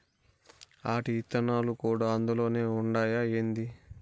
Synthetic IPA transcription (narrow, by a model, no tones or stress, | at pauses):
aːʈiːt̪ːɐnaːlukuːɽaːɐnd̪ulo̞ːne̞ːuɳɖaːjaeːnd̪i